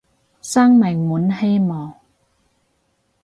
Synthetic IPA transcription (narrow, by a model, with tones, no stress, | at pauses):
saː˥ŋmɪ˨˩ŋmuː˨˥nhe˥jmɔː˨˩ŋ